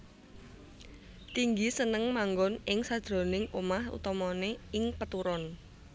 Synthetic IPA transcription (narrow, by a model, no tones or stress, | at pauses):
t̪iŋɡisənəŋmaŋɡɔnɪŋsad̪̥ɾo̤nɪŋumahṵt̪ɔmɔneɪŋpət̪uɾɔn